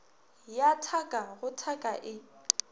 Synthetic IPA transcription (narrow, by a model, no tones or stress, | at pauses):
jatʰakʼaɣʊtʰakʼaʔɪ